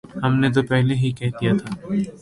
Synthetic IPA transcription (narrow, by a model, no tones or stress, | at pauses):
hɐmnet̪̬opɛɦleɦikɛɦd̪ijat̪ʰaː